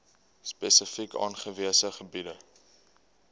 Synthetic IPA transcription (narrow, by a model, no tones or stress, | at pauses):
spesəfikʰɑ̰ːnχəviəsəχəbidə